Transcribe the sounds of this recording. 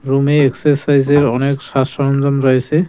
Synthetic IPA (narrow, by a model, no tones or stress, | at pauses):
ɹumeːksesajzeɹɔneksasɔɔnzɔnɹɔɦjsɛ